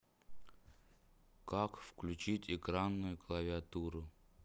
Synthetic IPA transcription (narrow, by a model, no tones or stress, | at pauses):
kakfklʲʉt͡ɕitʲɪkɾanːʊjʊklˠəvʲɪat̪uɾʊ